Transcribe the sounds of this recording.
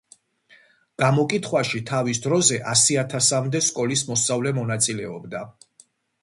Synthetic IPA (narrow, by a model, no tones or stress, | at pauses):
ɡ̥amɔkʼit̪ʰχwaʃit̪ʰavisd̪ɾɔzɛʔasiat̪ʰasamd̪ɛskʼɔlismɔsavlɛmɔnat̪sʼilɛɔbd̪a